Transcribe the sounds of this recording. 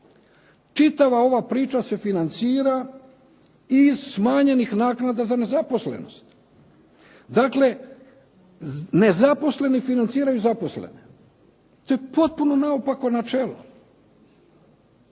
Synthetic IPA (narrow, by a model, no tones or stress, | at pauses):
t͡ʃit̪aʋao̞ʋapɾiːt͡ʃase̞finant̪siːɾa | izsmaːɲe̞nixnaːknad̪azane̞zapo̞slḛno̞̰st̪ | d̪akle̞ | ne̞zapo̞sle̞nifinant̪siːɾajuzapo̞slḛne | t̪o̞jepo̞t̪̚puno̞naopakonat͡ʃelo̰